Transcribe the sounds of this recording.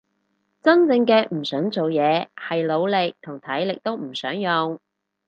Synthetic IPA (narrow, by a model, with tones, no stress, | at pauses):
t͡sɐ˥ŋt͡sɪ˧ŋkɛː˧m̩˨˩sœː˨˥ŋt͡so˨wjɛː˨˧hɐ˨jlo˨˧wlɪ˨k̚t̪ʰʊ˨˩ŋt̪ʰɐ˨˥jlɪ˨k̚t̪o˥wm̩˨˩sœ̰ː˨˥ŋjʊ˨ŋ